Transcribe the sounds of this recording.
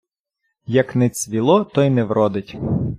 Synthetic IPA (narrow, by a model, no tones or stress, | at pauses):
jɐknɛt͡sʲʋʲilˠɔt̪ɔjnɛʋɾɔd̪ɪtʲ